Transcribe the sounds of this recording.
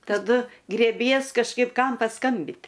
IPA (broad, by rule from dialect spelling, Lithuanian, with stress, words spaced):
tɐˈdʊ ɡrʲeːˈbʲiɛs kɐʃˈkɐɪp ˈkɐm pɐˈskɐmʲbʲɪt